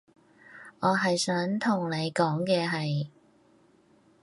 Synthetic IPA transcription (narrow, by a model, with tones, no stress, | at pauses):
ʔɔː˨˧ɦɐ˨jsœː˨˥ŋt̪ʰʊ˨˩ŋne˨˧jkɔː˨˥ŋkɛː˧ɦɐ˨j